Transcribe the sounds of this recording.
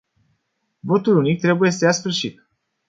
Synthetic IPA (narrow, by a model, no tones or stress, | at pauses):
vo̞t̪ulunik̚t̪ɾe̞buje̞səjasfɨrʃit̪